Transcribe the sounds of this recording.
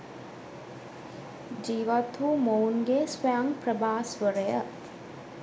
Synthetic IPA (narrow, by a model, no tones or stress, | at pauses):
d͡ʒiːʋat̪ʰuːmounɡesʋəjaŋpɾəbaːsʋəɾəjə